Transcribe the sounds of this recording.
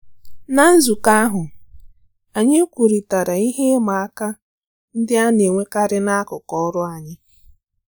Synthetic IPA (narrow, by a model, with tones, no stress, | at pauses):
na˨n̩˦zu˨ka˦ɦʊ˨ | a˨ɲɪ˦kʷu˨ɾi˨ta˨ɾa˨i˦ɦe˦ma˨a˦ka˦ | n̩˦dɪ˦a˦ne˨ŋʷe˦ka˦ɾɪ˦na˦kʊ˨kɔ˦ɔ˦ɾʊ˦a˨ɲɪ˦